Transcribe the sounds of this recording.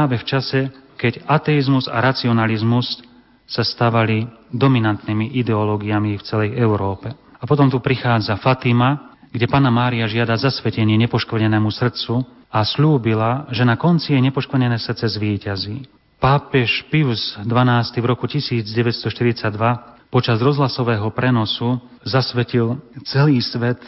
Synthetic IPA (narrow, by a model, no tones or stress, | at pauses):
aʋɛft͡ʃasɛkɛɟat̪ɛizmuza̰ɾat͡siɔnalizmus | sast̪aːʋalid̪ɔminant̪niːmiʔid̪ɛɔlɔːɡiamift͡sɛlɛjʔɛʊɾɔːpɛapɔt̪̬ɔmt̪upɾixaːd͡zafat̪ima | ɡɟɛpaːnamaːɾiaʒɪad̪azasʋɛcɛɲɪɛɲɛpɔʃk̩ɲɛnɛːmusr̩tt͡su | asʎuːbilaʒɛnakɔnt͡sijɛɲɛpɔʃkɾ̩ɲɛnɛːsr̩t̪t͡sɛzʋiːcazi | paːpɛʃpiʊzd̪ʋanaːst̪ivɾɔkucisiːd͡zɟɛʋɛcst̪ɔʃt̪iɾit͡saɟd̪ʋapɔt͡ʃazɾɔzɦlasɔʋɛːɦɔpɾɛnɔsu | zasʋɛcilt͡sɛliːsʋɛt̪